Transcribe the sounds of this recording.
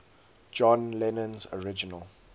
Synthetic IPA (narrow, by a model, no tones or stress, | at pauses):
d͡ʒɔ̃nlɛnə̃nzɔɹɪd͡ʒinəlˠ